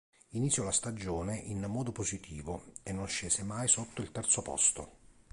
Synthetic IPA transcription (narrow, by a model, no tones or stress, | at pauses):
init̪sjɔlast̪ad͡ʒoːneʔinmːɔːd̪opozit̪ʰiːvoenːonʃeːzemajsot̪ːoilt̪ɛrt̪sopɔ̰st̪o̰